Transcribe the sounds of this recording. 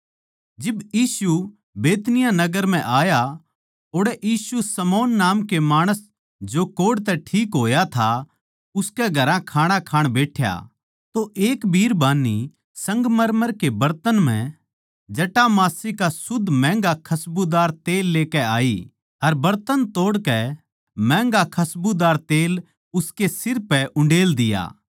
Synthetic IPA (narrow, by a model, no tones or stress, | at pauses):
d͡ʒɪbjiːsu | beːt̪nɪjãnɐɡəɾm̤ɛ̃ʔaːja | oːɽɛʔjiːsusɐmɔːnːaːmkemaːɽ̃əs | d͡ʒokoːɽt̪ɛʈʰiːkɦoːjat̪ʰa | ʊskɛɡʱɐɾãkʰaːɽ̃ãkʰaːɽ̃beːʈʰja̰ | t̪oʔeːkbʱiːɾbaːnːi | sɐ̃ŋɡmɐɾməɾkebɐɾt̪ənm̤ɛ̰̃ | d͡ʒɐʈamaːsikasʊd̪ʱmɛ̃ːŋɡakʰɐsbud̪aːɾt̪eːlːeːkɛaːi | ɐɾbɐɾt̪ənt̪oːɽkɛ | mɛ̃ːŋɡakʰɐsbud̪aːɾt̪eːl | ʊskesɪɾpɛʔʊ̃ɳɖeːld̪ɪja̰ː